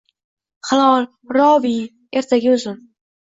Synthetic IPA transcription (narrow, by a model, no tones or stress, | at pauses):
χalˠɒlˠ | ɾɒvi | e̞ɾt̪ʰaɡʲɪʊzɪn